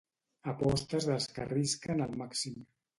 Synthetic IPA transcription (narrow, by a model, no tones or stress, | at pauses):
əpɔst̪əzðəlˠskəriskənəlˠmaksim